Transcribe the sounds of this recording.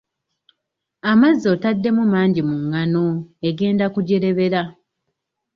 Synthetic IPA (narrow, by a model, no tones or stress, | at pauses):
amazːo̞tadːe̞mumaːɲɟimuŋːano̞eɡe̞ːndakuɟe̞ɾe̞βe̞ɾa